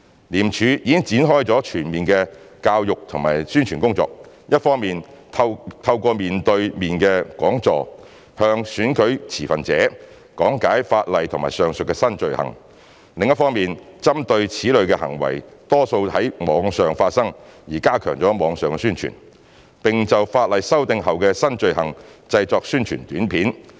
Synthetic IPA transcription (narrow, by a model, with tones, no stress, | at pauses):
liː˨˩mt͡ʃʰyː˨˧jiː˨˥kɪ˥ŋt͡siː˨˥nɦɔː˥jt͡sɔː˨˥t͡ʃʰyː˨˩nmiː˨nkɛː˧kaː˧wjʊ˨k̚t̪ʰʊ˨˩ŋmaː˨˩jsyː˥nt͡ʃʰyː˨˩nkʊ˥ŋt͡sɔ̰ː˧k̚ | jɐ˥t̚fɔː˥ŋmiː˨nʰ | t̪ʰɐ˧wkɔː˧miː˨nt̪ɵ˧ɥmiː˨nkɛː˧kwɔː˨˥ŋt͡sɔ̰ː˧ | hœː˧ŋsyː˨˥nkɵ˨˥ɥt͡sʰiː˨˩fɐ˨nt͡sɛ̰ː˨˥ | kɔ̰ː˨˥ŋkaː˨˥jfaː˧t̚lɐ˨jt̪ʰʊ˨˩maː˨˩jsœː˨˩ŋsɵ˨tkɛ˧sɐ˥nt͡ʃɵ˨ɥhɐ̰˨˩ŋ | lɪ˨ŋjɐ˥tfɔː˥ŋmiː˨nt͡sɐ˥mt̪ɵ˧ɥt͡sʰiː˨˥lɵ˨˧ɥkɛ˧hɐ̰˨˩ŋwɐ̰˨˩jt̪ɔː˥so˧whɐ˨˥jmɔː˨˥ŋsœː˨ŋfaː˧t̚sɐ˥ŋjiː˨˩kaː˥kʰœː˨˩ŋt͡ʃɔː˨˥mɔː˨˧ŋsœː˨ŋkɛ˧syː˥nt͡ʃʰy̰˨˩n | pɪ˨ŋt͡sɐ˨wfaː˧t̚lɐ˨jsɐ˥wt̪ɪ˧ŋɦɐ˨wkɛ˧sɐ˥nt͡ʃɵ˨˧ɥhɐ˨˩ŋt͡sɐ˧jt͡sɔː˧k̚syː˥nt͡ʃʰyː˨˩nt̪yː˨˥npʰiː˨˥n